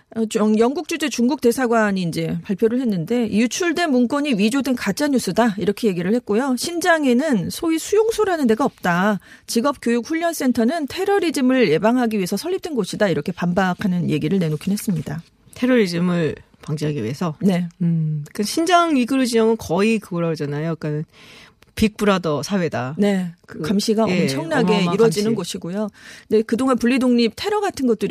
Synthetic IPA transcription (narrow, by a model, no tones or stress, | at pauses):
t͡ɕjʌŋɡuk̚t͡ɕ͈ud͡ʑe̞t͡ɕuŋɡuk̚t͈e̞sʰaɡwaɲiːnd͡ʑe̞paɭpʰjoɾɯɭɦe̞nːɯnde̞jut͡ɕʰuɭdwe̞nmunk͈wʌɲiɥid͡ʑodwe̞nkat͡ɕ͈aɲus͈ɯdaiɾʌkʰeje̞ɡiɾɯɭhe̞k̚k͈ojoɕʰind͡ʑaŋe̞nɯnsʰoisʰujoŋsʰoɾanɯnde̞ɡaʌp̚t͈at͡ɕiɡʌp̚k͈jojuk̚ɸuʎːʌns͈e̞ntʰʌnɯntʰe̞ɾʌɾid͡ʑimɯɭje̞baŋɦaɡiɥiɦesʰʌsʰʌʎːip̚t͈wenɡoɕʰidaiɾʌkʰe̞pambakʰanɯnje̞ɡiɾɯɭne̞nokʰinɦe̞s͈ɯmɲida | tʰe̞ɾʌɾid͡ʑimɯɭ | paŋd͡ʑiɦaɡiɥḭe̞sʰʌne̞ | k͈ɯɕʰind͡ʑaŋɥiɡɯɾud͡ʑiʌŋɯnkʌikɯɡʌɾad͡ʑanajok͈anɯn | pik̚p͈uɾadʌsʰawe̞dane̞kɯkamɕʰiɡaʌt͡ɕʰʌŋnaɡe̞iɾwʌd͡ʑinɯnɡʌɕʰiɡojode̞kɯdoŋɦanpuʎːidoŋɲip̚tʰe̞ɾʌɡatʰɯnɡʌt̚t͈ɯɾ